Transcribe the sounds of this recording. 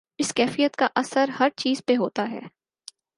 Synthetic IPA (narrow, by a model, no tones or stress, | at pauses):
ɪskɛːfijət̪kaʔɐsəɾhɐɾt͡ʃiːzpeɦoːt̪aɦɛ̰ː